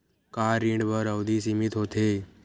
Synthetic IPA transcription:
kaːɾĩːɳɖbəɾəwd̪iːsimɪt̪ɦot̪ʰeː

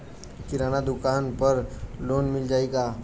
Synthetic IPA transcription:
kɪɾaːnad̪ʊkaːnpəɾloːnmɪld͡ʒaːeɡa

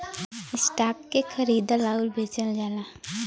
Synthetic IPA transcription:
ɪsʈaːpkexʰɐɾiːd̪alaːʊlbʱeːt͡ʃəld͡ʒaːlaː

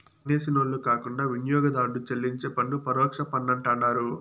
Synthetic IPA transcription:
neːsinoɭːukaːkuɳɖaːʋinjɔːɡɐd̪aːɽut͡ʃelːiɲt͡ʃeːpɐɳɖupɐɾɔːkʂɐpɐnːɐɳʈɐɳːaːɾu

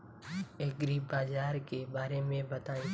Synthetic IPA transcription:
eːɡɾiːbaːzaːɾkeːbaːɾeːmẽbət̪aːĩ

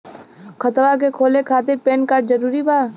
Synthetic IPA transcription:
kʰət̪ʋak̬ekʰoːlekʰaːt̪ɪɾpeːnkaːʈzəɾuːɾibʱaː

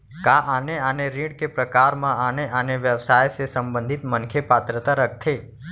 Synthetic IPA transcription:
kaʔaneəneɾiɽkepɾəkaɾmãaneʔəneʋjəʋsajsesəmbə̃nd̪ʱit̪mənkʰepat̪ɾət̪aɾək̚t̪ʰe

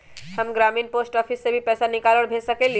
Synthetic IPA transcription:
həmɡɾaːmiːnpoːsʈɔːpʰisːebʱipɛːsanɪkaːləɽbʱeːd͡ʒsəkel

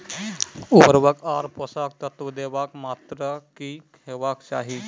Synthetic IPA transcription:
ubəɾʋəkaːɾpɔsaːk̚t̪ət̪ʋəd̪eːʋaːkmaːt̪ɾəkikʰeʋaːkt͡ʃa̰ːɦi

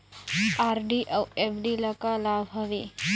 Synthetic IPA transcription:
aɾɖiʔawebɖiləkalabʱɦɐʋi

